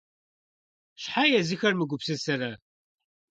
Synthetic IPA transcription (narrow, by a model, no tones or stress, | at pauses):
ʃħajæziçæɾməɡʷʊbsæsaɾa